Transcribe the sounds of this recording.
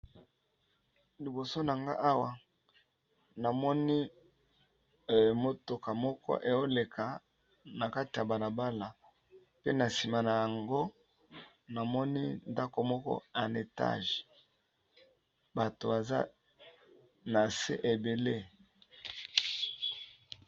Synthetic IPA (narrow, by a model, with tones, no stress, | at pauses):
li˨bo˨so˦na˨ŋɡa̰˦ʔa˦wa˨ | na˨mɔ˦ni˦˨ | mo˦to˨ka˨mɔ˦kɔ̰˦ʔe˨jo˦le˨kʰa˨ | na˨ka˦ti˨ja˨ba˨la˨ba˦la˨ | pe˦na˨si˨ma˨na˨ja˨ŋɡo˦ | na˨mɔ˦ni˦nda˦ko˨mɔ˦kɔ̰˦a˨ne˨ta̰˦˨ʒ | ba˨to˨ba˨za̰˦ | na˨sḛ˦ʔe˨be˨le˦